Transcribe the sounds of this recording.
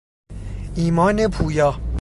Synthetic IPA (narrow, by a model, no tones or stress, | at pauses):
iːmɒːnepʰuːjɒː